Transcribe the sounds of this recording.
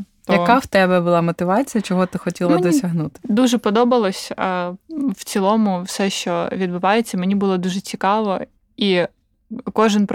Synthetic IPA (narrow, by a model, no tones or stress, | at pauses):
t̪jɐkawt̪ɛbɛbʊlˠɑmɔt̪ɪʋɑt͡sʲijɐt͡ʃɔɦɔt̪ɪxɔtʲilˠɐd̪ɔsʲɐɦnut̪ɪ̥d̪uʒɛpɔd̪ɔbɐlˠɔsʲ | wt͡sʲilˠɔmʊwsɛʃt͡ʃɔʋʲid̪bɪʋɑjet͡sʲːɐmenʲibʊlˠɔd̪uʒɛt͡sʲikɑʋɔ | i | kɔʒɪnp